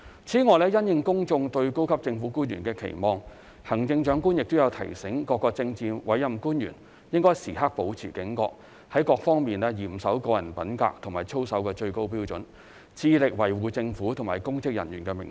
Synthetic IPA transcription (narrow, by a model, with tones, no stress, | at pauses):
t͡sʰiː˨˥ŋɔː˨˩lɛː˥jɐ˥njɪ˧ŋkʊ˥ŋt͡sʊ˧ŋt̪ɵ˧ɥko˥wkʰɐ˥p̚t͡sɪ˧ŋfuː˨˥kuː˥njy̰ː˨˩nkɛː˧kʰḛ˨˩jmɔː˧ŋ | hɐ˨˩ŋt͡sɪ˧ŋt͡ʃœː˨˥ŋkuː˥njɪ˨k̚t̪ʊ˥wjɐ˨˧wt̪ʰɐ̰˨˩jsɪ˨˥ŋkɔː˧kːɔː˧k̚t͡sɪ˧ŋt͡siː˧nwɐ˨˥jjɐ˨mkuː˥njy̰ː˨˩n | jɪ˥ŋkɔː˥jsiː˨˩ɦa˥k̚po˨˥wt͡sʰḭː˨˩kɪ˨˥ŋkɔː˧k̚ | hɐ˨˥jkɔː˧k̚fɔː˥ŋmiː˨nɛː˥jiː˨˩msɐ˨˥wkɔː˧jɐ˨˩npɐ˨˥nka̰ː˧k̚t̪ʰʊ˨˩ŋmaː˨˩t͡ʃʰo˥wsɐ˨˥wkɛː˧t͡ʃɵ˧ɥko˥wpiː˥wt͡ʃɵ˨˥n | t͡sʰiː˧lɪ˨k̚wɐ˨˩jwuː˨˧t͡sɪ˧ŋfuː˨˥t̪ʰʊ˨˩maː˨˩jkʊ˥ŋkɪ˥k̚jɐ̰˨˩njyː˨˩nkɛː˧mɪ̰˨˩ŋ